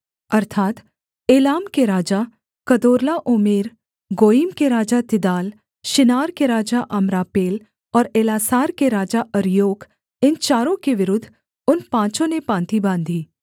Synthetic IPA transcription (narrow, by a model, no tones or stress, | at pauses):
ɐɾt̪ʰaːt̪ | eːlaːmkeɾaːd͡ʒa | kɐd̪oːɾlaʔʊmeːɾ | ɡoːiːmkeɾaːd͡ʒat̪ɪd̪aːl | ʃɪnaːɾkeɾaːd͡ʒaʔɐmɾaːpeːl | ɔːɾeːlaːsaːɾkeɾaːd͡ʒaʔɐɾjoːɡ | ɪnt͡ʃaːɾõkeʋɪɾʊd̪ʱː | ʊnpãːt͡ʃõnepãːnt̪ʰibãːnd̪ʱiː